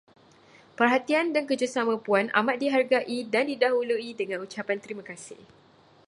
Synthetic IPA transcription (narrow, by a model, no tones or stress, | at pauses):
pərɦat̪iandankəd͡ʒusamə̃puanʔa̰mat̪̚diɦarɡaʔidandidaɦuluidəŋãnut͡ʃapant̪əɾimãkasɪ̰h